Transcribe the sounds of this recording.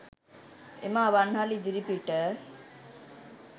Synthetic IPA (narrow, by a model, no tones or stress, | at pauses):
ḛmaβanɦalid͡ʒiɾipiʈə